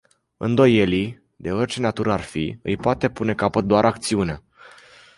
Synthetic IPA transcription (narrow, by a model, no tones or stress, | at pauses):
ɨ̰nd̪o̞je̞li | d̪e̞orʲt͡ʃe̞nat̪uɾəarfḭɨ̰jpoat̪e̞pune̞kapət̪̚d̪oaɾʔakt̪siunea